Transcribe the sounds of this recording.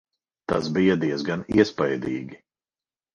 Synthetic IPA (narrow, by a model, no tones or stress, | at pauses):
t̪a̰sbijad̪iɛzɡanḭɛspajd̪iːɡʲi